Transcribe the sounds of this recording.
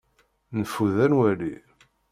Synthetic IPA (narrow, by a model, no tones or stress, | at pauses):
nəfuðænwæli